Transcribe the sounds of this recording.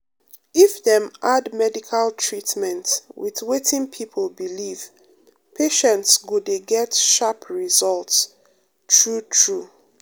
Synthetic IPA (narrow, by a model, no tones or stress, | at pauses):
ifðɛ̃mʔadmɛdikʰaltʰɹitmɛ̃ntwḭðwetʰĩŋpʰipʰəlbiliv̥ | pʰeʃɛ̃ntsɡudeɡɛtʃapʰɹizɔlts | tʰɹutʰɹu